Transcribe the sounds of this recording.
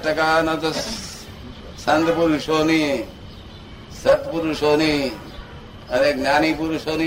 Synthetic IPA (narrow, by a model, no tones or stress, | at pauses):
ʈɐkanɐt̪o | sɐnd̪puɾuʃoːni | sət̪puɾuʃoːni | əneknaːnipuɾuʃoːni